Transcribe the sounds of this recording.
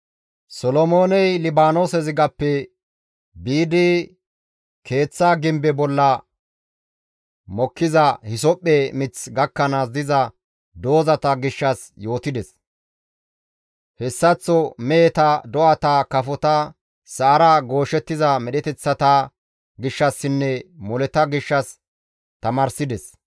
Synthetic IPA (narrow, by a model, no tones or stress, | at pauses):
sɔlɔmo̞ːnɛjlɪbaːnoːsɛzɪɡɐpːɛ | biːd̪i | kʰe̞ːt͡sːaːɡɪmbɛbɔlːɐ | mɔkːɪzɐhɪsɔpʼːemɪt͡sɡɐkːɐnaːs̬d̪ɪzɐ | d̪o̞ːzɐt̪ɐɡɪʃːɐs | jo̞ːt̪ɪd̪ɛs | hɛsːɐt͡sːɔmɛɛt̪ɐd̪ɔʔɐt̪aːkɐfɔt̪ɐ | sɐːɾaɡo̞ːʃɛt̪ːɪzɐmɛɗɛt̪ɛt͡sːɐt̪a | ɡɪʃːɐsːɪnːɛmɔlɛt̪ɐɡɪʃːɐs | t̪ɐmɐːɾsɪd̪ɛs